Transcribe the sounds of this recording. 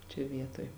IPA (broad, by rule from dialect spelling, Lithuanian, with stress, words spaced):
t͡ʃʲɛ ˈʋʲiɛtoːj